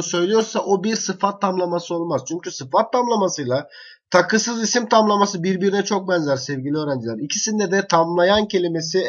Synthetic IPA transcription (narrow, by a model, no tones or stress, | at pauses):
sø̞jlʲijo̞ɾsaʔobiɾsɯfat̪ʰːamlˠamasɯo̞lˠmaz̥t͡ʃʰyɲcysɯfat̪ʰːamlˠamasɯjlˠa | t̪ʰakʰɯsɯzisimt̪ʰamlˠamasɯbiɾbiɾinɛt͡ʃʰo̞k̚bɛnzæɾsɛvɟilʲiøːɾænd͡ʒilʲæɾicʰisind̪ɛd̪ɛt̪ʰamlˠajancʰe̞lʲime̞s̬i